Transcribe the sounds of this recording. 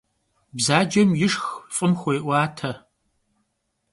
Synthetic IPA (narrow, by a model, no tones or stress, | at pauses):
bzaːd͡ʒɐmjɪʂxfʼɨmxʷɔjʔʷaːtʰɐ